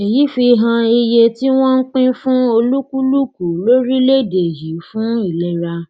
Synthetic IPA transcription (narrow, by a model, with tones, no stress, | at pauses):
i˨ji˨˦fi˧ɦã˧i˧je˧ti˦w̃ɔ̃˦n̩˦k͡pĩ˦fũ˦o˧lu˦ku˦lu˦˨ku˨lo˦ɾi˦le˦˨de˨ji˨˦fũ˦i˦˨lɛ˦ɾa˧